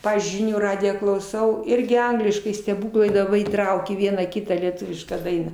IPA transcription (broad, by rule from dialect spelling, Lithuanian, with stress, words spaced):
ˈpɑːʋʲiːzʲd͡ʒʲʊɪ ˈʒʲɪnʲuː ˈrɑːdʲɪjæː klˠɐʊˈsɐʊ ˈɪrʲɡʲɪ ˈɐŋɡlʲɪʃkɐɪ sʲtʲɛˈbuːklˠɐɪ dɐ ˈʋɐ iːˈtrɐʊkʲeː ˈʋʲiɛnɑː ˈkʲɪtɑː lʲiɛˈtʊʋʲɪʃkɑː ˈdɐɪnɑː